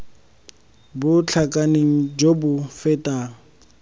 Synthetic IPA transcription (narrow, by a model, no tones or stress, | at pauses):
bʊt͡ɬʰakʼaneŋ̩d͡ʒobʊfɛtʼaː